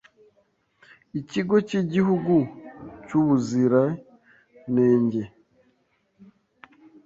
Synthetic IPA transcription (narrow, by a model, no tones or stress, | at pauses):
iciɡo̞ciɟihuɡucuβuziɾa | neːɲɟe